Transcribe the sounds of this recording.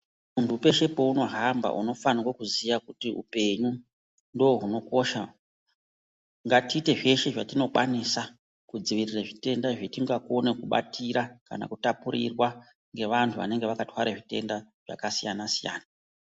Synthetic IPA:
muntuːpe̞ʃe̞pouno̞ɦamba̰ʔuno̞fanirwokuzijakutiṵpe̞ɲu | ndo̞oɦuno̞ko̞ʃa | ŋɡatiːte̞ʐe̞ʃe̞ʐatino̞kwanisa | kud͡ziʋiriraʐite̞ndaʐetiŋɡako̞ne̞kuɓa̰tʰiɾaka̰na̰kutapuɾḭrwa | ŋɡe̞ʋantʰuʋa̰ne̞ŋɡeʋakatwaɾeʐite̞̰ndaʐ̥a̰kasijanasija̰ːna

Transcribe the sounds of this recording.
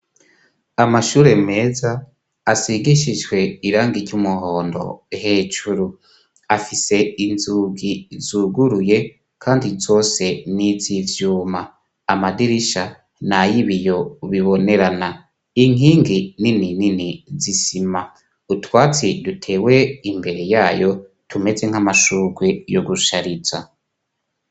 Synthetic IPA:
amaʃuːɾe̞me̞ːzaː | siɡiʃid͡ʒɡwe̞iɾaːŋɡiɾɟumuho̞ːndo̞̰he̞ːt͡ʃuɾu | afise̞inzuːɡizuɡuɾuje̞ | kʰaːndizo̞ːse̞nizivjuːmaː | madiɾiʃa | najiβijo̞βiβo̞ne̞ɾana | iŋiːŋɡininininizisima | utwaːt͡sidutʰe̞ːwe̞imbe̞ɾe̞jaːjo̞ | tʰume̞ze̞ŋ̥amaʃuːɡwe̞joɡuʃaɾiza

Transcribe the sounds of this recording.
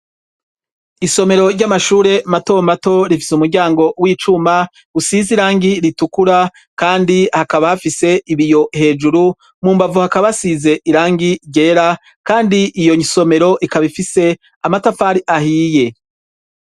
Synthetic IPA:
iso̞me̞ɾo̞ɾɟamaʃuːɾe̞mato̞mato̞ɾifi̥sumuɾɟaːŋɡo̞wiːt͡ʃumḁ | usiziɾaːŋɡiɾitukuɾa | kaːndihakaβahafise̞iβijo̞he̞ːd͡ʒuɾu | muːmbavuhakaβasize̞ʔiɾaːŋɡiɾɟe̞ːɾa | kaːndiʔijo̞ɲso̞me̞ɾo̞ʔikaβifise̞ | amatafaɾiʔahiːje̞

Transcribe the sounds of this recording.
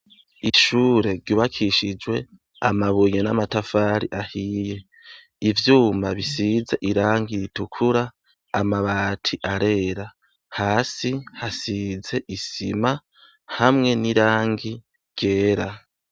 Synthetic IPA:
iʃuːɾe̞ɾɟuːβakʰiʃid͡ʒwe̞ | a̰maβuɲenamatafaːɾiʔahiːje̞ | ivjuːmbaβisizaʔiɾaːŋɡiitukʰuɾaː | maβaːtʰiʔaɾe̞ːɾa | haːsihasize̞ʔisima | hamŋe̞niɾaːŋɡi | ɾɟ̥e̞ːɾa

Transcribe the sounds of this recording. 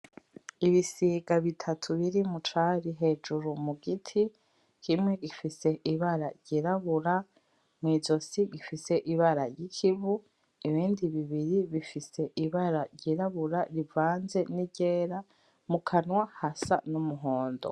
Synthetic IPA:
iβisiːɡaβitʰatʰuβiɾimut͡ʃaɾiɦe̞ːd͡ʒuɾumuɡitʰi | kimŋeɡifise̞ʔiβaɾaɾɟiɾaβuɾa | mŋiːzo̞siɡifise̞ʔiβaɾajikʰivu | iβiːndiβiβiɾiβifise̞ʔiβaɾaɾɟiɾaβuɾaɾivaːnze̞niɟeːɾa | mukʰanwahasanumuɦoːndo̰

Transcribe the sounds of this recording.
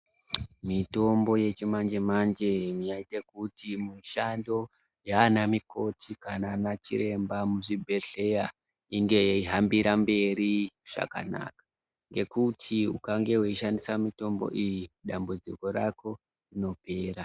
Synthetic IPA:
mito̞mbo̞je̞t͡ʃimand͡ʒemand͡ʒemijaitekutimiʃando̞ | janamiko̞tʰikananat͡ʃiɾe̞mbamuʐibʱe̞ɬe̞ja | iŋɡe̞iɦambiɾambe̞ɾiʐ̥a̰ka̰na̰kḁ | ŋɡe̞kutʰiṵkaŋɡe̞weiʃandisamito̞mbo̞̰ʔijiɗambud͡ziko̞ɾako̞ | rino̞pe̞ːɾa

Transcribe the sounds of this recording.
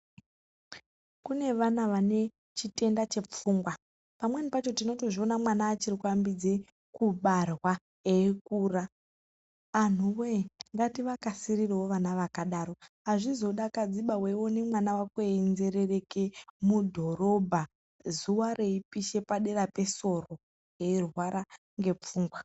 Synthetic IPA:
kune̞ʋanaʋane̞ | t͡ʃite̞ndat͡ʃe̞p͡fuːŋɡwa | pamwe̞nipat͡ʃo̞tino̞to̞ʐio̞namwanaːt͡ʃirikuambid͡ze | kuɓarwa | ekuːraː | n̤uweŋɡatiʋakasirirewoʋanaʋakaɗaɾo̞ɦaʐizo̞ɗakad͡ziɓawe̞wonemwanawakweinze̞rere̞kemudʱo̞ɾo̞bʱa | zuware̞ipiʃe̞paɗe̞rape̞so̞ro̞ | jeirwaɾa | ŋɡe̞p͡fuːŋɡwa

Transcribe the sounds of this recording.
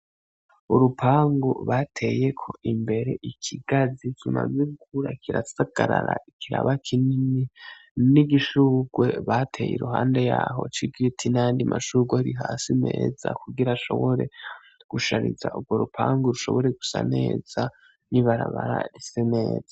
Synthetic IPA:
uɾupʰaːŋɡoβatʰeje̞kʰo̞ʔimbe̞ɾe̞ʔikʰiɡ̥azikʰima̰zeɡukʰuɾakʰiɾasaɡ̥aɾaɾaikʰiɾa̰βakʰinininiɡiʃuːɡwe̞βatʰe̞ːjḛɾuɦaːnde̞jaːɦo̞̰t͡ʃiɡitʰinajaːndimʔaʃuɡwahiɾiɦaːsime̞ːzakuɡiɾaʃo̞̰βo̞ɾe̞̰ | ɡ̥uʃaɾizaʔuɡwo̞ɾupʰaːŋɡuɾuʃo̞̰βo̞ɾe̞ɡu̥sa̰ne̞ːz̥a | niβaɾaβaɾa̰ɾisene̞ːz̥a

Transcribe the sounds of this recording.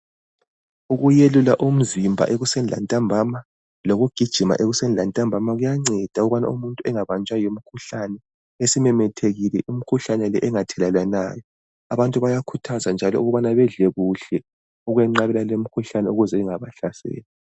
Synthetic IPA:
uɣujelulaʔum̩zimbʱa̰ʔeɣusɛnla̰ntʼambʱama | loɣuɡ̥ʱid̥ʒ̥ʱima̰ʔeɣusɛnlantʼambʱamaɣujaŋ͡ǀɛd̥ʱauɣuβana̰umuntʼuɛŋaβant͡ʃʼajom̩kʰuɬanɛ | esimɛmɛtʰeɣilɛʔum̩kʰuɬanɛlɛʔɛŋatʰɛlalanaːjɔ | aβantʼuβajakʰutʰazand͡ʒʱalɔ̰uɣuβanaβɛɮɛɣuɬɛ | uɣwɛŋ͡ǀaɣɛlalem̩kʰuɬanɛuɣuzɛɛŋaβaɬasḛːlɛ

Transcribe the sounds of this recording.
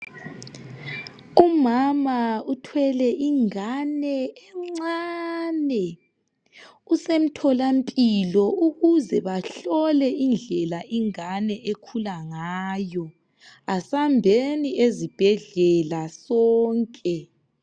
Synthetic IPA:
umamautʰwɛlɛʔiŋanɛɛŋ͡ǀŋ͡ǀanɛ | usem̩tʰɔlampʼilɔʔuɣuzɛβaɬɔlɛind͡ɮʱɛlaʔiŋanɛekʰulaŋaːjɔ | asambʱeniezib̥ʱɛɮɛlasɔːŋkʼɛ

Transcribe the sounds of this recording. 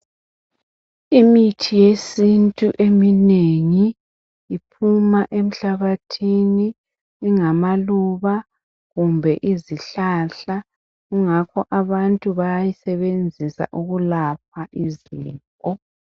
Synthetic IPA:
imitʰijesintʼuʔemineŋiː | pʰumaʔem̩ɬaβatʰiniː | ŋamaluβa | ɣumbʱɛʔiziɬaːɬa | ɣuŋakʰɔʔaβantʼuβajajisɛβend͡zʱisa̰ʔuɣulap̚ʰaʔiziːkʼɔ

